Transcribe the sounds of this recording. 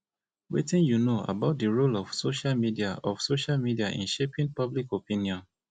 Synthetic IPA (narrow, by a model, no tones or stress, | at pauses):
wḛtĩnjunoa̰baʊt̚diɹolɔfsoʃalmidiaɔfsoʃalmidiaʔḭ̃nʃepĩnpablikopĩnjɔ̃n